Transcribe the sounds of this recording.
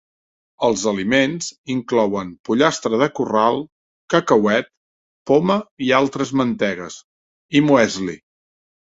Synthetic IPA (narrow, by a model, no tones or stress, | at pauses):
əlˠzəlimenz̥iŋklɔwənpuʎast̪ɾəðəkuralˠ | kəkəwɛt̪̚ | poməialˠt̪ɾəzmənt̪ɛɣəs | imuɛzlḭ